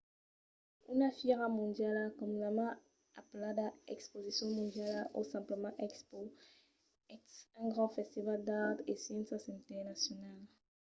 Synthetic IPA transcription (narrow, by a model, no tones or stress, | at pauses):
ynafɛʁamɔ̃d̪jalakɔmynamã | aplad̪aɛkspozisjɔ̃mɔ̃d̪jalʔosɛ̃mpləmɑ̃ʔɛkspo | ɛksɛ̃ɡʁɑ̃fɛst̪ivald̪aʁt̪esjɛ̃nsasɛ̃t̪ɛʁnasjɔnal